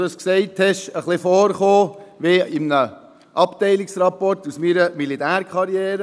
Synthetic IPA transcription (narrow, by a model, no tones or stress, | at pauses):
dəsksɛɪthɛʃəχlɪfɔːɾχoːʋeɪmnə | ʔɑptɛɪliksrɑpɔrtusmiːɾəmilitæːɾkχɑɾjɛːɾə